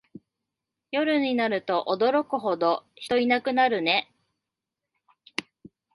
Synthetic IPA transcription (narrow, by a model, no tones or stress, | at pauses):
jo̞ɾɯ̟ɲ̟inaɾɯ̟t̪o̞ʔod̪o̞ɾo̞kɯ̟ɦo̞d̪o̞çi̥t̪o̞inakɯ̟naɾɯ̟ne̞